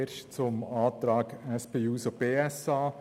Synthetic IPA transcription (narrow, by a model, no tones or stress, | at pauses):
eɾʃt͡sʊmaːt̪ɾaːkɛspʰeːuːsob̥eːɛsaː